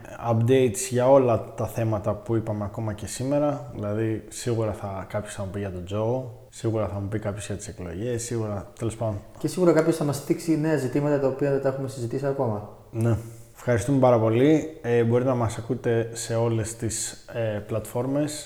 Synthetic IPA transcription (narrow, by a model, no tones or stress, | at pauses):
ɐpd̪e̞jt̪sʝɐo̞lɐt̪ɐθe̞mɐt̪ɐpuipɐme̞ɐko̞mɐce̞sime̞ɾɐðḭlɐðisiɣuɾɐθɐkɐpço̞sθɐmupiʝɐt̪o̞d͡zo̞ | siɣuɾɐθɐmupikɐpçe̞zʝɐt̪i̥seklo̞̰ʝe̞sːiɣuɾɐt̪elo̞spɐd̪on | ce̞siɣuɾɐkɐpço̞sθɐmɐst̪iksine̞ɐzit̪imɐt̪ɐt̪ɐopiɐðet̪ɐe̞xumesizit̪isiɐko̞mɐ | ne̞ | fxɐɾist̪ume̞pɐɾɐpo̞liebo̞ɾit̪enɐmɐsɐkut̪e̞se̞o̞le̞st̪iseplɐt̪fo̞ɾme̞s